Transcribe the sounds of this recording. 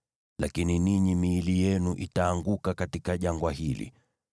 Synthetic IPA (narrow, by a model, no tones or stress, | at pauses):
la̰kininiɲimiːlijɛnuʔitaːŋɡukakatikaʄaŋɡwaɦilḭ